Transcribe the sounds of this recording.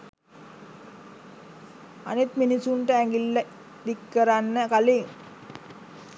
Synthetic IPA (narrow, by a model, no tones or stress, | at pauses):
a̰nit̪minisuɳʈəæŋɡilːə | d̪ikːəɾanːəkaliŋ